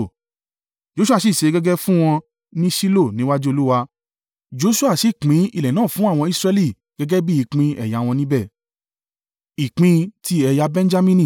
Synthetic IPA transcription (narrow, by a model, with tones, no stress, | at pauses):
d͡ʒo˧˦su˦a˦˨i˦˨ʃe˨˧˦ɡɛ˦ɡɛ˦fũ˦w̃ɔ̃˧ | nĩ˦ʃi˦lo˦˨nĩ˨˦wa˦d͡ʒe˦o˧lu˦wa˧ | d͡ʒo˨˧˦su˦a˦˨ʃi˨k͡pĩ˨˦ḭ˦˨lɛ˨nãː˦˨fũ˦a˦˨w̃ɔ̃˧i˦sɾɛ˧li˦˨ | ɡ̥ɛ˧˦ɡɛ˦bi˦i˨˧˨k͡pĩ˧ɛ̰˨ja˨˦˨w̃ɔ̃˧nĩ˦bɛ˦˨ | i˨k͡pĩ˧ti˦ɛ˧ja˧bɛ̃˦n˦d͡ʒa˦mĩ˦nĩ˦˨